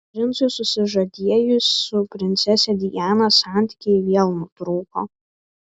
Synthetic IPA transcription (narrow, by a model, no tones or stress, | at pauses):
pʲɾʲɪnsʊsʊsʲɪʒɐd̪ʲiɛjʊsʲʊpʲɾʲɪnʲt̪sʲɛsʲɛd̪ʲɪjæːnɐsɑnʲt̪ʲi̥kʲɪɪʋʲiɛlˠnut̪ɾuːko̰ː